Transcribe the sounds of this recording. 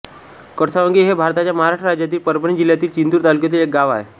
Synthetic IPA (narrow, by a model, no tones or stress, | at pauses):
kəɽsaʋəŋɡiɦebʱaɾt̪at͡ɕjaməɦaɾaʂʈɾəɾad͡ʑjat̪̬iːlpəɾbəɳid͡ʑiljat̪iːlt͡ɕint̪uːɾt̪aluk̬jet̪̬iːlek̚ɡaʋa̰ḛ